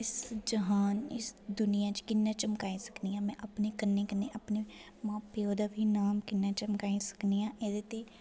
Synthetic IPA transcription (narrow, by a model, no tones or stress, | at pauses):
ɪsd͡ʒəɦaːnɪsd̪ʊnɪjãːt͡ʃkɪnːaːt͡ʃəmkaːisə̥kniːãːmɛ̃ːʔəpneːkənːeːkənːeːʔəpne | mãːpoːd̪aːbʱiːnaːmkɪnːaːt͡ʃəmkaːisə̥kniːãːʔed̪eːt̪eː